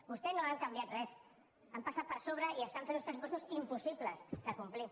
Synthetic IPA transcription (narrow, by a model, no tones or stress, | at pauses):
bust̪enoaŋkambjat̪rɛs | ampasat̪̚pəɾsoβ̞ɾəiəst̪aɱfenuspɾəsupɔst̪usimpusiβləsðəkumpli